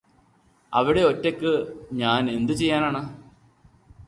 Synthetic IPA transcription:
ɐ̰ʋiɽe̞o̞tːekːɨɲaːne̞nd̪ɨt͡ɕe̞jːaːnaːɳɨ

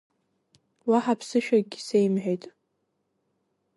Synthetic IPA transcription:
waħapʰsɨʃᶣaɡ̚ɡʲisejmħʷᶣejtʼ

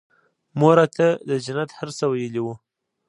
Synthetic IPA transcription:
moɾat̪əd̪əd͡ʒanat̪haɾsəwajəliwu

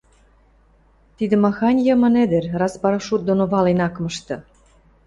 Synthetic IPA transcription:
t̪id̪ɘ̆mɑxɑnʲjə̆mə̆ned̪ĕɾrɑspɑɾɑʃut̪̚d̪onoβɑlenɑkmɤ̆ʃt̪ɤ̆

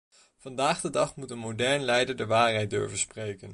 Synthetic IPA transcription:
v̥ɑndaːχdədɑχmutənmodɛɹnlɛjdəɹdəʋaːɹɦɛjt̚dʏ̰ɹvəsprejkən

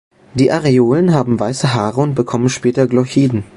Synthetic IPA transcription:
d̥iːʔaʁeoːlənɦaːbm̩vaɪsəɦaːʁəʊnt̚b̥əkʰɔmənʃpɛːtɐɡlɔçiːdn̩

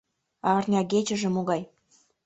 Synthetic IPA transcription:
ɑrnʲɑɡet͡ɕə̆ʒĕmoɣɑj

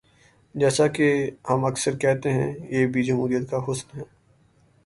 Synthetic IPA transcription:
d͡ʒɛːsakehɐmɐksəɾkɛɦt̪eɦɛ̰̃jeːbʱid͡ʒɐmɦuːɾijət̪kaɦʊsnɦɛː

